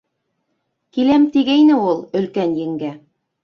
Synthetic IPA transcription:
kilæmt̪iɡæjnɘulˠɵ̆lkænjɘ̆ŋɡæ

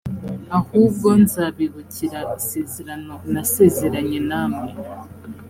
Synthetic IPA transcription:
ahuːb̚ɡo̞nzaβiβuciɾaʔise̞ːzeɾano̞nase̞ːze̞ɾaɲe̞naːmŋe

